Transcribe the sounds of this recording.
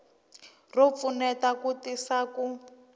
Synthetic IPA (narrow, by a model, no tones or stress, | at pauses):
rop̪funɛtakutisaku